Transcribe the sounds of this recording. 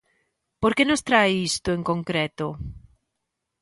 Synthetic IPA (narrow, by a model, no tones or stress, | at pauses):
poɾkenost̪ɾajist̪ʊeŋkõŋkɾet̪o